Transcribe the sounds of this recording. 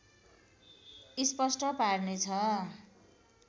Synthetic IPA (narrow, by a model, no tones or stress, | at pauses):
ispʌsʈʌparnet͡sʰʌ